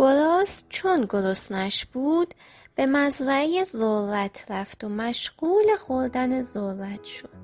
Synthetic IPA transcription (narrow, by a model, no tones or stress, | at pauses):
ɡ̥oɾɒːst͡ʃʰonɡo̞ɾosnæʃb̥uːd̪̥ | b̥e̞mæzɾæejezoɾæt̪ʰɾæft̪omæʃɢuːle̞xoɾd̪ænezoɾæt̪ʰʃod̪̥